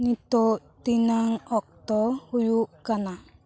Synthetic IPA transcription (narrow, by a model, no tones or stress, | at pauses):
nit̪oʔt̪inaŋɔk̚t̪ɔhujukana